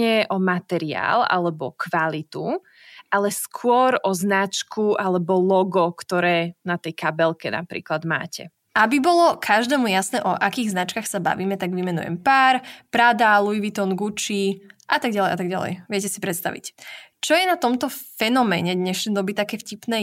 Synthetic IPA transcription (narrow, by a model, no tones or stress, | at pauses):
ɛʔɔmat̪ɛɾia̰ːla̰lɛbɔkʋalit̪u | alɛskʰʊɔɾɔznat͡ʃkuʔalɛbɔlɔɡɔkt̪ɔɾɛːnat̪ɛjkabɛlkɛna̰pɾḭːklad̪ma̰ːcɛ̰ | ʔabibɔlɔkʰaʒd̪ɛːmujasnɛːʔɔʔakiːɣznat͡ʃkaxsaba̰ʋiːmɛt̪aɡʋimɛnṵjɛ̰mpaːɾpɾad̪aluiʋit̪ɔnɡut͡ʃiʔat̪aɡɟalɛjʔat̪aɡɟa̰lɛ̰jʋɛcɛsipɾɛt̪st̪aʋḭct͡ʃɔjɛnat̪ɔmt̪ɔfɛnɔmɛːɲɛd̪ɲɛʃnɛd̪ɔbit̪akɛːfcipnɛː